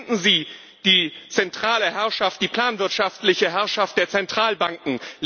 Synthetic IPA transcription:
nn̩ziː | d̥iːt͡sɛntʁ̥aːləɦɛɐʃaft̚d̥iːpʰl̥aːnvɪɐtʃaftlɪçəɦɛɐʃaft̚d̥eːɐt͡sɛntʁ̥aːlbaŋkŋ̩l

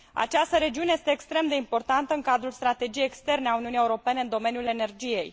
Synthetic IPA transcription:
a̰t͡ʃast̪əɾe̞d͡ʒiune̞je̞st̪e̞ːkst̪ɾe̞md̪e̞impo̞rt̪ant̪əɨŋkad̪ɾulst̪ɾat̪e̞d͡ʒijejekst̪e̞rneauniunije̞uɾo̞pe̞ne̞ɨnd̪o̞me̞njule̞ne̞rd͡ʒije̞j

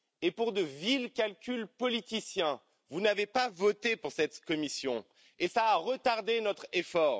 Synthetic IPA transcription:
epuʁd̪əvilkʲalkʲylpɔlit̪isjɛ̃ | vunavepavɔt̪epuʁsɛt̪kɔmisjɔ̃ | esaːʁət̪aʁd̪enɔt̪χefɔːʁ

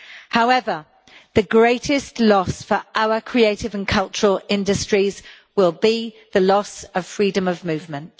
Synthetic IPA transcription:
haʊɛvə | ðəɡɹeɪtʰɪstlɒsfəɹʔaʊəkʰɹ̥ieɪtɪvə̃nkʰʌlˠt͡ʃəɹəlɪ̃ndəstɹ̥iz̥ | wɪlˠbi | ðəlɒsəv̥fɹiːdə̃məvmʉːvmə̃nt

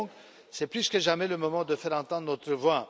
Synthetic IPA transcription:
k | sɛplyskəʒamɛləmɔmɑ̃d̪əfɛʁɑ̃t̪ɑ̃d̪ʁnɔt̪χəvwa

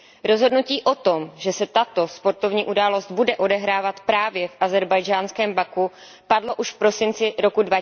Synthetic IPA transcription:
ɾo̞zɦo̞dnuciːʔo̞t̪o̞mʒɛsɛt̪at̪o̞spo̞ɾt̪o̞vɲiːʔudaːlo̞st̪budɛʔo̞dɛɦɾaːvat̪pɾaːvjɛfʔazɛɾbajd͡ʒaːnskɛːmbaku | padlo̞ʔuʃfpɾo̞sɪnt͡sɪɾo̞kudva

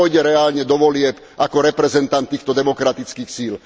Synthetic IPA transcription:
ɔjɟɛɾɛaːlɲɛd̪ɔʋɔlɪɛp | ʔakɔɾɛpɾɛzɛnt̪ant̪ːiːxt̪ɔd̪ɛmɔkɾat̪it͡skiːxsiːl

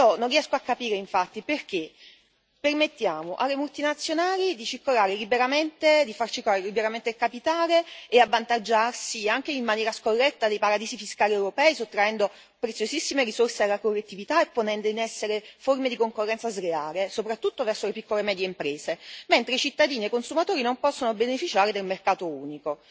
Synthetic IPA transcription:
ɔnonrːiɛskoakːapiːɾeiɱfat̪ːiperk̟e | pːermet̪ːjaːmoʔalːemult̪inat̪sːjonaːlid̪it͡ʃirkolaːɾelibeɾament̪ed̪ifart͡ʃikːolaːɾelibeɾament̪elkapit̪aːleːavːant̪ad͡ʒːarsiaŋk̟eimːanjɛːɾaskorːɛt̪ːad̪ejpaɾad̪iːsifiskaːliewɾopɛːisot̪ːɾaɛnd̪o | pɾet̪sjozisːimeɾisorsealːakorːet̪ːivit̪aepːonɛnd̪oinɛsːeɾeformed̪ikoŋkorːɛnsazɾeaːɾesopɾat̪ːut̪ːovɛrsolepikːolemɛːd̪jeimpɾeːzement̪ɾet͡ʃit̪ːad̪iːniekːonsumat̪oːɾinompɔsːonobenefit͡ʃaːɾed̪elmerkaːt̪ouːniko

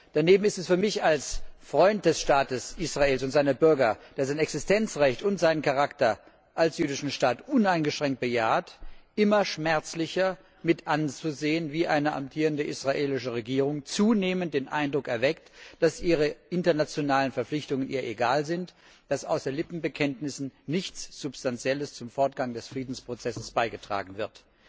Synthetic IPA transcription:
d̥aneːbm̩ɪstɛsfyːɐmɪçalsfʁ̥ɔʏnt̚d̥ɛsʃtaːtəsʔisʁ̥aeːlsʊntz̥aɪnəbʏɐɡɐd̥eːɐzaɪnɛksɪstʰɛnt͡sʁɛçtʊntz̥aɪnənkʰaʁaktɐ | ʔalsjyːdɪʃn̩ʃtaːtʔʊnaɪnɡəʃʁ̥ɛŋkt̚b̥əjaːɐtʔɪmɐʃmɛɐt͡slɪçɐ | mɪtʔant͡suzeːənviːʔaɪnəʔa̰mtʰiːʁəndəʔisʁ̥aʔeːlɪʃəʁeɡiːʁʊŋt͡suːneːmənt̚d̥eːnʔa̰ɪndʁʊkɛɐvɛk̚td̥asʔiːʁ̞əʔɪntɐnat͡sjonaːlənfɛɐflɪçtʊŋənʔiːɐʔeɡaːlzɪnt | d̥asʔa̰ʊsɐlɪpm̩bəkʰɛntnɪsn̩nɪçt͡sz̥ʊpstant͡sjɛləst͡sʊmfɔɐt̚ɡ̥aŋdɛsfʁ̥iːdn̩spʁ̥ot͡sɛsəsb̥aɪɡətʁ̥a̰ːɡŋ̩vɪɐt

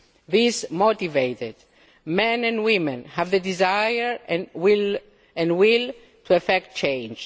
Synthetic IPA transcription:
ðismot̪ivejted̪ | mɛ̃nɛ̃nwĩmɛ̃nhævðəd̪izajəɹwil | ɛ̃nwil | t̪ʰuɛfɛkt̚t͡ʃẽjnd͡ʒ

